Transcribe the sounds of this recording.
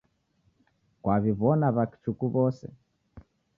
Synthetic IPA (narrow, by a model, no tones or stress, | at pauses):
kwaβiβɔnaβaki̥t͡ʃukuβɔsɛ̰